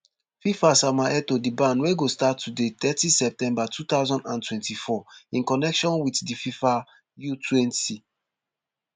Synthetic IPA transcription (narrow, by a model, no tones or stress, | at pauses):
fifasamaɛtodibãnweɡostatːudet̪ɛtisɛp̚tɛ̃mbatʰut̪aʊzɔ̃ndãntwɛ̃ntifɔĩnkɔnɛkʃɔ̃nwitdififa | jutʰwɛ̃nti